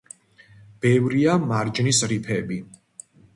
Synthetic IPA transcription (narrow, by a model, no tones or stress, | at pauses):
b̥ɛvɾiamaɾd͡ʒnisɾipʰɛbi